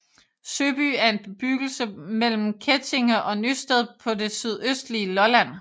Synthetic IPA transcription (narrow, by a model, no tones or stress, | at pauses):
søːb̥y̰ːæɐe̝nb̥eb̥yɡ̥l̩səmel̰m̩kʰet͡sʰe̝ŋɐʔɒ̽nysd̥ɛð̞ˠpʰɒ̽de̝syð̞ˠøsd̥liəlɒ̽læn̰